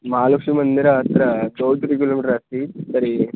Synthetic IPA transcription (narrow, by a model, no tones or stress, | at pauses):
maːlukʂimɐnd̪iɾat̪ɾɐd̪oːwt̪uɾiɡulɐmiʈɾɐst̪isɐɾi